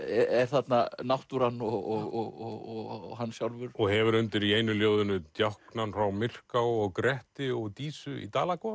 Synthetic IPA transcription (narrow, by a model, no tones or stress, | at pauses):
ɛɛɾ̥θat̪nanawht̪uɾanːɔɣɔɣɔɣɔɣɔɣhanːsjawlvʏɾ̥ɔɣɦɛvʏɾʏnt̪ɪɾieːjnʏljoːwðʏnʏt̪jahknanfɾawmɪr̥kawɔɣkɾɛht̪ɪɔɣt̪iːsʏḭt̪aːlakʰɔ